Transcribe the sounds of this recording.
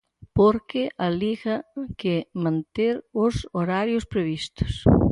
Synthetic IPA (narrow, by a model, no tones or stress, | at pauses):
poɾkɪʔaliɣɐkemãnt̪eɾʊsoɾaɾjʊspɾeβist̪ʊ̥s